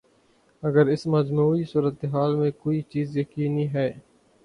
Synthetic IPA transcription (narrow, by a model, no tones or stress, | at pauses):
ɐɡəɾɪsməd͡ʒmuːisuːɾət̪eɦaːlmẽkoːit͡ʃiːzjɐkiːniɦɛː